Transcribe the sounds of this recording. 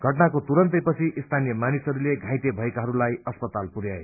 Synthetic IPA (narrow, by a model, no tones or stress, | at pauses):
ɡʱʌʈnakot̪uɾʌnt̪ʌjpʌt͡sʰiist̪ʰanijʌmanisɦʌɾuleɡʱãjt̪ebʱʌekaɦʌɾulajʌspʌt̪alpuɾjae